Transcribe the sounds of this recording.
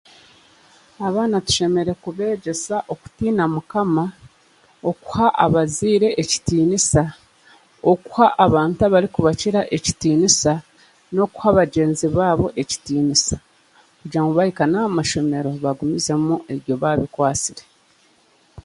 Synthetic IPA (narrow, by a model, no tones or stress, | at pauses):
aβaːnatu̥ʃe̞me̞ɾe̞kuβe̞ːɟe̞saʔo̞ku̥tiːnamukama | o̞ku̥haʔa̰βaziːɾe̞ʔeci̥tiːnisa | oku̥haʔːβaːntaβaɾikuβaciɾaʔe̞ci̥tiːnisa | no̞ku̥haβaɟe̞ːnziβaːβo̞ʔe̞ci̥tiːnisḁ | kuɟaŋɡoβajikanaːmaʃo̞me̞ɾo̞βaɡumize̞mue̞βjo̞βaβikwaːt͡siɾe̞